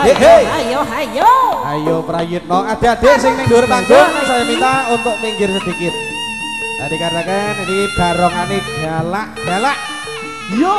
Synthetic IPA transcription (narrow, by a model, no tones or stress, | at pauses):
eɦeaoajoa̰jopɾajɪt̪̚nɔad̪̥e̤ad̪̥e̤ʔsɪŋnɪŋd͡ʒ̪uɾpadonaŋsɔjɔnit̪aunt̪ʊk̚miŋɡɪrsəd̪̥ikɪt̪̚ | d͡ʒadikaɾakenikid̥a̤ɾɔŋaniɡ̥alaʔɡ̥alaʔ